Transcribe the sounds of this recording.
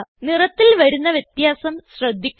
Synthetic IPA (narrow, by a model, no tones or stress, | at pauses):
nirɐt̪ːilʋɐɾunːɐʋjɐt̪jaːsɐmɕrɐd̪ʱːikʲː